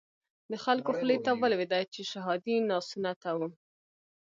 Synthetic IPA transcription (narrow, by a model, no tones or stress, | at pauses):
d̪əxalkoxlet̪abəlwɪd̪ɑjat͡ʃeʃaɦɑd̪inɑsunat̪awu